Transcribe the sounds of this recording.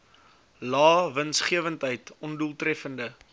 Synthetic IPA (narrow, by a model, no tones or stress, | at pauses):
lɑːvənsχiəvəntɦəjtɔnduəlˠtrɛfəndə